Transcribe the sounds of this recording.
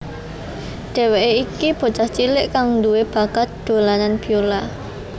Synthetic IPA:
ɖ̪̥ɛ̤weʔeikib̥o̤t͡ʃaht͡ʃilɪʔkaŋnduweb̥a̤ɡ̥at̪̚d̪̥o̤lananb̥iola

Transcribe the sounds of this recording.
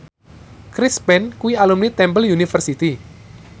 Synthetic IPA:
kɾispɛnkuwialumnit̪ɛmbəljunifərsit̪i

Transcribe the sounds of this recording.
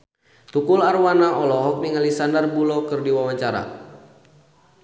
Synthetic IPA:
t̪ukularwanaʔɔlɔɦɔk̚miŋalisandarbulɔkɨrdiwawaɲt͡ʃaɾa̰

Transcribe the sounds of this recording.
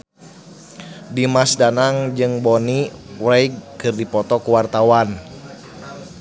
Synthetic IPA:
dimasdanaŋd͡ʒɨŋbɔniwɾɛjɡ̚kɨrdipɔt̪ɔkuwart̪awan

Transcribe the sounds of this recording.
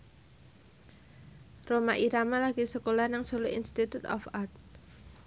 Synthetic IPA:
romaʔiɾamalaɡ̥isəkolahnaŋsoloʔinst̪it̪ut̪ɔ̰fart̪̚

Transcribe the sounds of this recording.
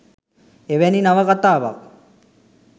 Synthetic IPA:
eʋɛninaʋəkat̪aːʋa̰k̚

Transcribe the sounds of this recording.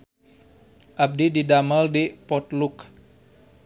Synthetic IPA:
ʔab̚dididamaldipɔt̪luk

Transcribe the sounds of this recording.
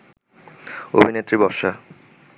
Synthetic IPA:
o̰bʱinet̪ːɾibɔʃa

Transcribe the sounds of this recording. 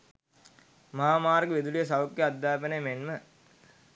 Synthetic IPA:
mɐɦaːmaːɾɡəʋed̪ulijəs̬ɐʋukjəad̪ːaːpənəjmenmə

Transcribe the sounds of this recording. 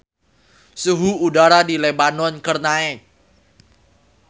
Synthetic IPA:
suɦuudaɾadilebanɔnkərnaɛk̚

